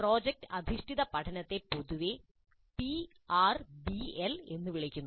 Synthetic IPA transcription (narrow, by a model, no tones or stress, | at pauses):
pro̞ːd͡ʑek̚ʈɨ̥ʔɐd̪ʱiʂʈʰiðɐpɐʈʰɐnɐt̪ːe̞poðuʋe | pi | aːrbiele̞nːɨʋiɭikʲːunːu